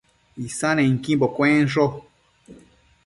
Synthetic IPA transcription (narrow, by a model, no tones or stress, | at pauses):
isãnẽŋ̩kĩmbokwẽnʂo